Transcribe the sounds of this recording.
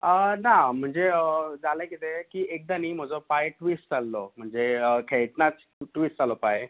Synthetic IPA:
ənam̤əɳd͡zeəd͡zaləkit̪ekiːʔek̚d̪aniːm̤əd͡zɔpajʈʋiːsʈd͡zalːɔm̤əɳd͡zeəkʰeɭʈnat͡s | ʈʋiːsʈt͡salɔpaj

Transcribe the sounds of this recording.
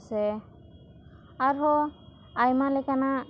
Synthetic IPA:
sɛ | aɹɦɔ | ajmalɛkana

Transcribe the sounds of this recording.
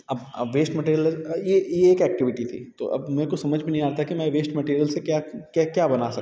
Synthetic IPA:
ɐbɐ̰ʋeːsʈmɐʈiːɾjəljejeːkɛːk̚ʈɪʋɪʈit̪ʰḭːt̪o̰ʔɐ̰bmɛ̃ːkosɐməd͡ʒʱbinɐɦĩaːɾt̪ʰakimɛ̃ːʋeːsʈmɐʈiːɾijəlsekjaːkakjaːbɐnasɐ

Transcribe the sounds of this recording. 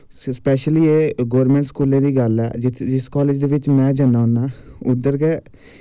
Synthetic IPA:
spɛːʃəliːeːɡoːɾmɛ̃ːɳʈskuːlẽːd̪iːɡəlɛ̰ːd͡ʒɪskɔːleːd͡ʒd̪eːʋɪt͡ʃmɛ̃ːd͡ʒənaːʊnaːʊd̪əɾɡɛː

